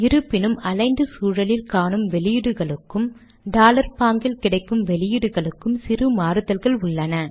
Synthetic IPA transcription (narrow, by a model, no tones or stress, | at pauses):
ɪɾɯpːɪnɯmɐlɐɪnd̪ɯsuːɻɐlɪlkaːɳɯmʋɛlɪjɪɽɯɣɐɭɯkːɯm | ɖaːlɐɾpaːŋɡɪlkɪɽɐɪkːɯmʋɛlɪjɪɽɯɣɐɭɯkːɯmsɪrɯmaːɾɯt̪ːɐlɣɐɭʊɭːɐnɐ